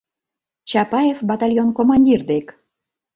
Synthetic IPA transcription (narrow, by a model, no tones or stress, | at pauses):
t͡ɕɑpɑjefbɑt̪ɑlʲjonkomɑnʲdʲird̪ek